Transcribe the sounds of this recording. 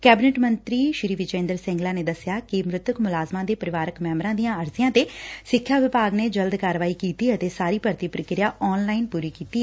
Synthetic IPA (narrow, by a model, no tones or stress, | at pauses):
kɛːbɪnɛːʈmənt̪ɾiːʃɪɾiːʋɪt͡ʃẽːnd̪əɾsɛ̃ŋɡlaːneːd̪əsɪjaːkɪmɾʊt̪wəkmʊlaːzmãːd̪eːpəɾɪʋaːɾəkmɛ̃ːmɾãːd̪ijãːəɾsɪjãːt̪eːsɪkʰːjaːʋɪpaːɡneːd͡ʒəld̪kaːɾʋaːiːkiːt̪iːət̪eːsaːɾiːpəɾt̪iːpɾəkɾɪjaːʔɔːnlaːɪnpuːɾiːkiːt̪iːɛ